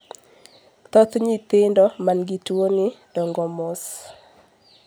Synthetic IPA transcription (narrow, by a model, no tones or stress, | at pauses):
t̪ɔt̪ɲit̪ɪndɔmanɡitwonɪd̥ɔŋɡɔmɔs